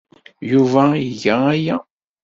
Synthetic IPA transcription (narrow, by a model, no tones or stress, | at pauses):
juvæiʝææjæ